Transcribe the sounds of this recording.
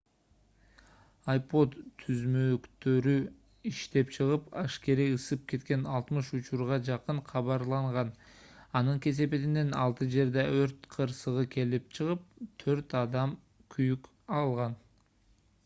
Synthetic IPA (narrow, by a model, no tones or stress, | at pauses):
ajpo̞d̪t̪ʰːyzmøkt̪ø̞ɾy | iʃt̪e̞p̚t͡ʃʰɯʁɯpɑʃke̞ɾiɯsɯp̚ke̞t̪ke̞nɑlˠt̪mɯʃut͡ʃuɾʁɑd͡ʒɑqɯɴqʰɑβɑɾlˠɑɴʁɑnɑnɯŋkʲe̞s̬e̞pe̞t̪ine̞nɑlˠt̪ɯd͡ʒe̞ɾd̪eøɾt̪qʰɯɾsɯʁɯkʲʰe̞lip̚t͡ʃʰɯʁɯp̚t̪ʰøɾt̪ɑd̪ɑm | kʰyjyk | ɑlˠʁɑn